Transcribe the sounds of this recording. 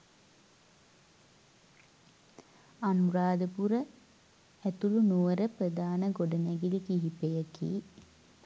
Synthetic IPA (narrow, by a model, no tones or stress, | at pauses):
anuɾaːd̪əpuɾə | æt̪ulunuʋɐɾəprɐd̪aːnɐɡoɖɐnæɡilikiɦipejɐkḭː